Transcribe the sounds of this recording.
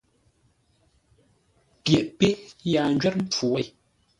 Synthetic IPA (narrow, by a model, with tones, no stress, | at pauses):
pjɛ˨ʔpe˦ʔja˨n̩d͡ʒɥɛ˦t̚m̩˦p͡fu˨wɛ˦˨